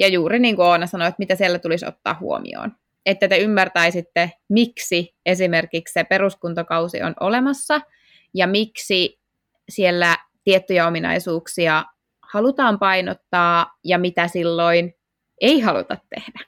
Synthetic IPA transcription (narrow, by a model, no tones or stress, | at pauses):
jɑjuːɾiniːŋkuoːnɑsɑnoet̪mit̪æsielːæt̪uliso̰t̪ːɑ̰ːhhṵo̰mḭo̰ːn | et̪ːæt̪eymːært̪æisit̪ːemiksi | esimerkikssepeɾuskunt̪okɑusḭo̰no̰lemɑsːɑ | jɑmiksi | sielːæt̪iet̪ːyjɑominɑ̰isuːksiɑ | hɑlut̪ɑːmpɑijnot̪ːɑːjɑmit̪æsilːoin | eiɦɑlṵt̪ɑt̪ːḛhd̥æ̥